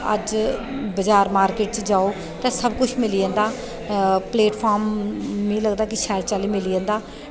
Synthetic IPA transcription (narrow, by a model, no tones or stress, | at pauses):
ə̰d͡ʒbəd͡ʒaːɾmaːɾkeːʈ̚t͡ʃd͡ʒaːoː | t̪ɛ̃ːsəbkʊt͡ʃʰmɪliãːnd̪aː | pleːʈpʰaːɾmːĩːləɡd̪aːkɪʃɛɾt͡ʃaːliːmɪliãːnd̪aː